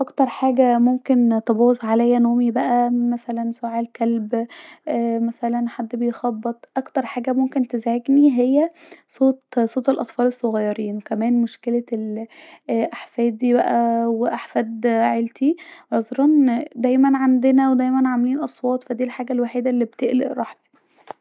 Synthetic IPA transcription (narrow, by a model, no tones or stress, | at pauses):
ʔɑkt̪ɑɾˤħaːɡæmomkent̪ebɑːzʕalæjːænoːmibæʔæmæsælænsoʕelkælbʔːmæsælænħad̪ːbejxɑbːet̪ˤʔɑkt̪ɑɾˤħaːɡæmomkent̪ezʕeɡniɦejːæsˤoːt̪sˤoːt̪elʔɑt̪ˤfɑːlesˤːoɣɑjːɑɾiːnwekæmæːnmoʃkelæel | ʔaħfæːd̪ibæʔæweʔaħfæːd̪ʕelt̪iʕozˤɾˤɑnd̪æjmænʕand̪enæwed̪æjmænʕameliːnʔɑsˤwɑːt̪ˤfæd̪iːlħaːɡælwaħiːd̪ælːiːbt̪eʔlḛʔɾˤɑ̰ːħt̪i̥